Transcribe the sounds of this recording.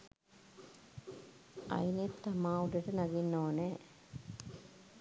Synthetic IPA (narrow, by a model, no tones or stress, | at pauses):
ʔɐ̰inet̪ːɐmaːuɖəʈənɐɡinːoːnɛː